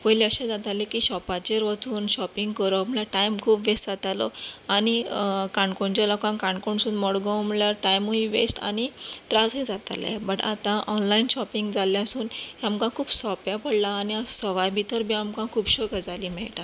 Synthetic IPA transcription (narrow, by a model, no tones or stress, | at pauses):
pojleəɕẽd͡zat̪alekiːɕɔpat͡ɕeɾʋət͡suːnɕɔpiŋɡkəɾɔamɭljaʈajmkʰuːpʋesd͡zat̪alɔ̰anikaɳkoɳt͡ɕalɔkãŋkaɳkoɳsuːnmɔɽɡɔ̃m̤əɭjaɾʈajmuiʋḛsʈa̰ñit̪ɾad͡zɦed͡zat̪a̰lḛbəʈa̰t̪ãʔɔnlainɕɔpiŋɡd͡zaljãsuːnɦjamkãkʰuːbsɔpjapəɽlaːniasəʋajbʱit̪əɾbʱiːamkãkʰuːpɕɔkəd͡zaliːmɛɭʈa